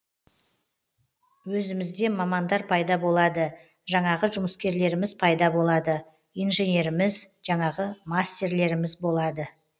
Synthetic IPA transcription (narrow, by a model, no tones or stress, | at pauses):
wɵzɪmɪzd̪e̞mɑmɑnd̪ɑɾpʰɑjd̪ɑbo̞lˠɑd̪ə | ʒɑɴɑʁəʒʊməskʲe̞ɾle̞ɾɪmɪz̥pʰɑjd̪ɑbo̞lˠɑd̪ə | ijnʒe̞nʲe̞ɾɪmɪzʒ̥ɑɴɑʁəmast̪ʲe̞ɾle̞ɾɪmɪzbo̞lˠɑd̪ə